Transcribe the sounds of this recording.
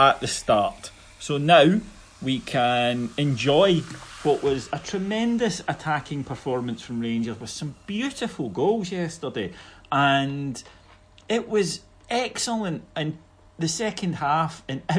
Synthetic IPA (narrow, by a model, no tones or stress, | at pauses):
əʔðəstaɹʔ | sonaʊ | wikʰə̃nɛ̃nd͡ʒɔɪwɔʔwʔɒzətʰɹ̥əmɛ̃ndəsətʰakʰɪ̃ŋpʰə˞fɔɹmə̃nsfɹə̃mɹẽnd͡ʒəzwəð̥sə̃mb̥jʉʔɪfəlˠɡolˠzjɛstə˞deə̃n | ɪʔwɒz | ɛksəl̩ˠə̃ntə̃n | ðəsɛkʰə̃nd̥hafɪ̃nɛ